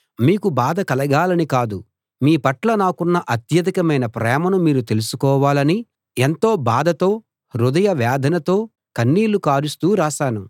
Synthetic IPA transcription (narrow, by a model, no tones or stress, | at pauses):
miːkubaːd̪ɐkɐlɐɡaːlɐnikaːd̪u | miːpɐʈlɐnaːkunːɐʔɐt̪jɐd̪ikɐmɐjnɐpɾɛːmɐnumiːɾut̪e̞lusukɔːʋaːlɐni | ent̪o̞ːbaːd̪ɐt̪o̞ː | ɾud̪ɐjɐʋjaːd̪ʱɐnɐt̪o̞ː | kɐnːiːlukaːɾust̪uːɾaːʃaːnu